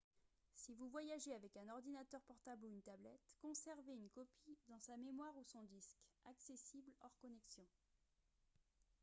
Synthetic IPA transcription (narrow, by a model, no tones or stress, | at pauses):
sivuvwajaʒeavɛkɛ̃nɔʁd̪inat̪œʁpɔʁt̪abluynt̪ablɛt̪kɔ̃sɛʁveynkɔpid̪ɑ̃samemwaʁusɔ̃d̪iskaksesiblɔʁkɔnɛksjɔ̃